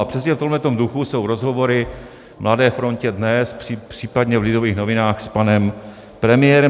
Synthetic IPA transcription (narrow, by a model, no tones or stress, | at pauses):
apr̥ɛsɲɛft̪omlɛt̪omduxuso̞wɾo̞zɦovo̞ɾɪ | mladɛːfɾo̞ncɛdnɛspr̥ipr̥iːpadɲɛvlɪdoviːxno̞vɪnaːxspanɛm | pɾɛmɪjɛɾɛ